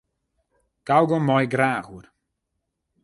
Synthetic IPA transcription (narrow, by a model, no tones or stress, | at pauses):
ɡ̥awɡɔmɔjɡɾaːɣur